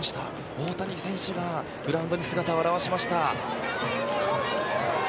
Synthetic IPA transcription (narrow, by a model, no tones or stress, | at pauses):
ɕi̥t̪a̰ | o̞ːt̪aɲʲisẽ̞ɰ̃ɕoɡa | ɡɯ̟ɾãɯ̃nd̪o̞ɲ̟isɨɡat̪aaɾaβaɕimaɕi̥t̪a